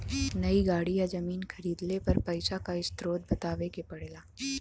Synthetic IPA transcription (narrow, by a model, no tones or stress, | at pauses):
nɐiɡaːɽijazɐmiːnkʰɐɾiːd̪lepɐɾpɐɪsakaɪst̪ɾoːd̪̚bɐt̪aːʋekepɐɽeːlaː